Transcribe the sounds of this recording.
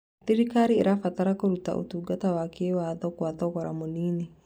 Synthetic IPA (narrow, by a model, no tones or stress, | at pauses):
θiɾikaɾieɾafataɾakoɾuta̰ʔo̰tuɡatawakeewaðɔkwaðɔkɔɾamoniːne